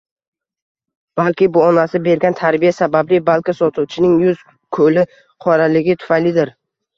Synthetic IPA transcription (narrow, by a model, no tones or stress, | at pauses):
b̥alˠkʲɪbʊɒnasɪbe̞ɾɡʲant̪ʰaɾbijasabablɪbalˠkʲasɒt̪ʰuwt͡ʃʰɪnɪŋjʊz̥ | kʰɵlɪ | qʰɒɾalɪɡʲɪt̪ʰʊ̥fajlɪd̪ɪɾ